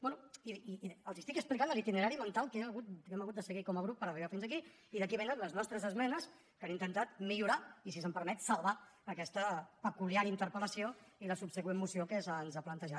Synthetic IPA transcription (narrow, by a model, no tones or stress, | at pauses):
bɛnuiəlˠzist̪ikəksplikand̪əlit̪inəɾaɾimənt̪alˠkɛəɣut̪kɛməɣut̪̚d̪əsəɣikɔməɣɾup̚ːəɾəriβafinzəki | iðəkiβenənləznɔst̪ɾəzəzmɛnəs | kanint̪ənt̪at̪miʎuɾais̬isəmpəɾmɛt̪səlˠβaəkɛst̪əpəkuliaɾint̪əɾpələsioiləsupsəkwemmːusiokəzanzaplənt̪əʒa